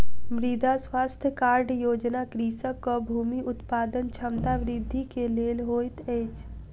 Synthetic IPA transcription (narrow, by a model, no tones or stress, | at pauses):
ʋɾid̪ʱaswaːst̪ʰjəkaːɾɖjoːd͡ʒnakɾiːsəkːɔbʱuːmiʔʊt̪paːd̪ənt͡ʃʰəmt̪aʋɾɪd̪ʱːikeleːlɦoːjt̪ɛːt͡ʃ